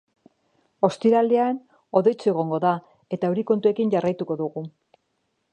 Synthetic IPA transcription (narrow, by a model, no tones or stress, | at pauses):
o̞st̪iɾald̪ean | o̞ðe̞jt͡sue̞ɣ̞o̞ŋɡo̞ða | e̞t̪auɾiko̞nt̪ue̞kiɲɟarajt̪uko̞ðuɣu